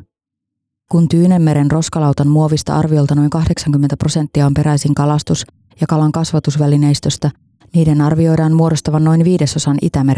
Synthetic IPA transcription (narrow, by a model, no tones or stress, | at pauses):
kunt̪yːne̞mːe̞ɾe̞nro̞skɑlɑwt̪ɑnmuo̞ʋist̪ɑ̰ʔɑ̰rʋio̞lt̪ɑno̞jŋkɑhde̞ksɑŋkymːent̪æpro̞se̞nt̪ːiɑo̞mpe̞ɾæjsiŋkɑlɑst̪us | jɑkɑlɑŋkɑsʋɑt̪usʋæline̞jst̪ø̞st̪ɑ | niːde̞nɑrʋio̞jdɑːnmuoɾo̞st̪ɑʋɑnːo̞jnʋiːde̞so̞sɑnʔḭt̪æme̞ɾ